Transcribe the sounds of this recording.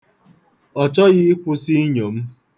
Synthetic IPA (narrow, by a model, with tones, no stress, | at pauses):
ɔ˨t͡ʃɔ˦ɣɪ˦kʷʊ˦si˦ɲo˨m̩˦